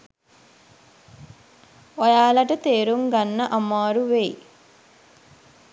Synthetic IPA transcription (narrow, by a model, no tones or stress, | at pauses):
ɔjaːlɐʈɐt̪eːɾuŋɡɐnːɐʔɐmːaːɾuʋeːj